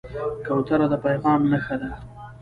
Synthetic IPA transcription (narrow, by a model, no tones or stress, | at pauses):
kawt̪aɾad̪əpajɣɑmnaxad̪a